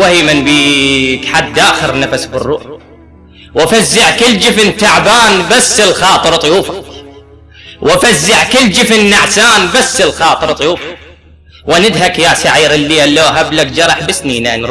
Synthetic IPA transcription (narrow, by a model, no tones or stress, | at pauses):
wahiːmɪnbiːkħad̪ːaːxɪɾnafasbɪrːuː | wafazːaʕkɪlːd͡ʒɪfnt̪aʕbaːnbasːɪlxɑːt̪ˤɨɾt̪ˤjuːfa | wafazːɪʕkɪld͡ʒɪfnːaʕsaːnbasːɪlxɑːt̪ˤɨɾt̪ˤjuːfḁ | wanɪd̪ɦakjasaʕiːɾɪlːiːalːoːɦablak̚d͡ʒɑɾˤɑħbɪsniːnanɾ